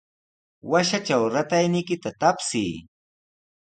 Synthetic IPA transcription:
waʃat͡ʃawɾat̪ajnɪjkɪt̪at̪apsɪː

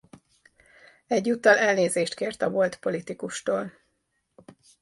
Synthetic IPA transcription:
ɛɟːuːt̪ːɒlɛlneːzeːʃt̪keːrt̪ɒbo̞lt̪po̞lit̪ikuʃt̪oːl

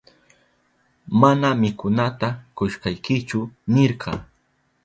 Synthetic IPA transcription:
manamɪkʊnat̪akʊʃɢɑjkɪt͡ʃʊnɪɾqʰɑ

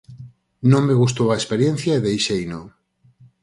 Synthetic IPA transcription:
nõŋmeɣust̪owɐespeɾjen̟θjaeðejʃejnõŋ

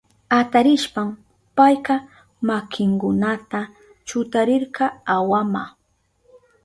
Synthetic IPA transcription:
at̪aɾɪʃpam | pajkɑ | makʰɪŋkʊnat̪a | t͡ʃʊt̪aɾɪɾqɑawama

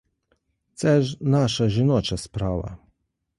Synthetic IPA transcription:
t̪sɛʒnaʃaʒinɔt͡ʃaspɾaːʋa̰

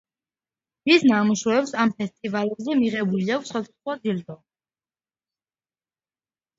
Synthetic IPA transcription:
d̪̥isnamuʃuɛpsampʰɛst̪ʼivalɛbzɛmiʁɛbuliaksχwasasχwad̪ild̪ɔ

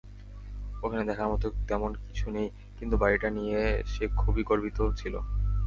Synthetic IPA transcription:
okʰaned̪ɛkʰaɾmɔt̪ot̪ɛmonkit͡ɕʰunej | kint̪ubaɾiʈanijeʃekʰubikoɾbit̪ot͡ɕʰilo̰

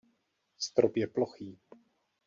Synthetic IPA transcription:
st̪ɾopjɛploxiː

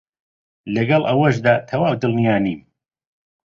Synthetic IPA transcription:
lɐɡɐlˠʔɐwɐʃd̪aːt̪ʰɐwaːwd̪ɨlˠnijaːniːm

